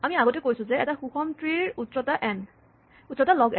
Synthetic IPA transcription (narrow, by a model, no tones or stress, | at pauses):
amiaɡɔtɛkojsʊ̃zɛɛ̰taxuxɔntɹiɹutɹɔtaʔɛn | utɹɔtalɔɡɛ